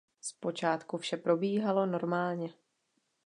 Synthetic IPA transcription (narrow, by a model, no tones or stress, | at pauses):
spo̞t͡ʃaːt̪kufʃɛpɾo̞biːɦalo̞no̞ɾmaːlɲɛ